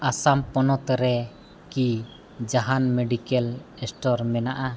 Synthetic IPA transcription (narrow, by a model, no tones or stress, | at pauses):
asampɔnɔt̪ɾɛ | ki | d͡ʒaɦanmeɖikɛlɛsʈɔɾmɛnaʔa